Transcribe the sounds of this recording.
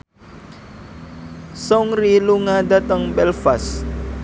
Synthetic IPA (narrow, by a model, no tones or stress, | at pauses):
sɔŋɾiluŋadat̪əŋbɛlfas